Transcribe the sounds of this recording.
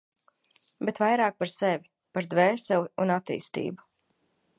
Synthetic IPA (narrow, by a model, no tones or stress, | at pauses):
bet̪vajɾaːk̚paɾsɛvʲi | paɾd̪vɛːsɛwiunat̪ːḭːst̪ḭːbu̥